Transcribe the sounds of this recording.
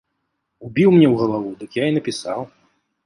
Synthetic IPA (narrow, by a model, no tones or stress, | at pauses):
ubʲiwmnʲɛwɣɐlˠavud̪ɨkjain̪ɐpʲisa̰w